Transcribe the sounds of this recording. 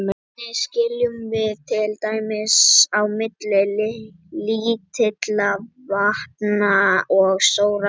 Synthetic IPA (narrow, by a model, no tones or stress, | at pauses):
mɛt̪nɪscɪljʏmvɪðt̪ʰɪlt̪aːjmɪsawmɪt̪lɛlɪ | lit̪ʰɪt̪lavahpnaɔɣsoːwɾa